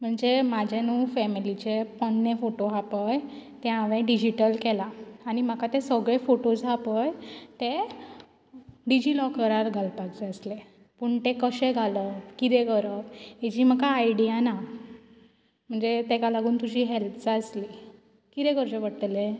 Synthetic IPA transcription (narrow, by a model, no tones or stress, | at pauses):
m̤əɳd͡zemad͡ʑʱanũːfɛmilit͡ɕepəɳːefoʈoɦapəjt̪ɛ̃aʋẽɖid͡ʑiʈəlkelaːñim̤akat̪esəɡɭefoʈosɦapəjt̪e | ɖid͡ʑilɔkəɾaɾɡʱalpakt͡seəsle | puɳt̪ekəɕẽɡʱaləkit̪eɡəɾəpɦed͡ʑiːm̤akaːjɽijana | m̤əɳd͡zet̪ekalaɡʱuːnt̪ud͡ʑʱiːɦelpt͡saəsli | kit̪ɛ̃ɡəɾt͡ɕeʋəɽʈle